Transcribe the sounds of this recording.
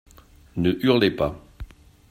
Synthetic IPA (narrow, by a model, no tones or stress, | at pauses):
nəʔyʁlepa